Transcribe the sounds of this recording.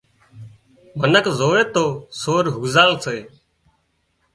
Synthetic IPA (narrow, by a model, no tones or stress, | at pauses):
mənəkzoːʋeːt̪oːsoːɾɦuːzaːlseː